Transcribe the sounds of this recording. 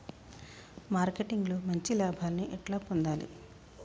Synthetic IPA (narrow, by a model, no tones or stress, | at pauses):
maːɾkeʈiŋɡlo̞ːmɐɲt͡ʃilaːbʱaːlɐniʔɛʈlaːpond̪aːlḭ